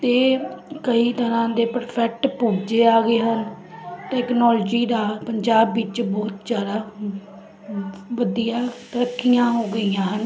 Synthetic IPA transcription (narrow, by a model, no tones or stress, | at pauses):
t̪eːkəiːt̪əɾãːd̪eːpəɾpʰɛk̚ʈpuːd͡ʒeːaːɡeːɦən | ʈɛːknɔːlːd͡ʒiːd̪aːpəɲd͡ʒaːbːɪt͡ʃbɔːt̪d͡ʒaːd̪aː | ʋəd̪ijãːt̪əɾəkʰːijãːɦoːɡəiːãːɦən